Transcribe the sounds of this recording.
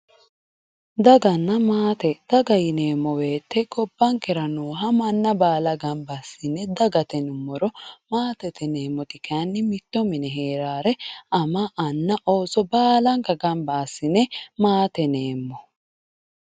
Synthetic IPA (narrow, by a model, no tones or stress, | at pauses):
d̪ɐɡɐnːɐmaːt̪ɛd̪̥ɐɡɐjɪneːmːɔweːt̪ːɛɡɔbːɐŋkɛɾɐnuːɦɐmɐnːɐbaːlɐɡɐmbasːɪnɛd̪ɐɡɐt̪ɛnʊmːɔɾɔmaːt̪ɛt̪ɛneːmːɔt̪ɪkanːɪmɪt̪ːɔmɪnɛɦeːɾaːɾɛɐmɐʔɐnːɐʔoːsɔbaːlɐŋkɐɡɐmbaːsːɪnɛmaːt̪ɛneːmːɔ